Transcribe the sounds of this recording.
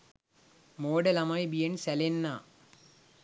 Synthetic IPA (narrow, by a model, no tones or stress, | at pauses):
moːɖɐlɐmɐjbijensɐlenːa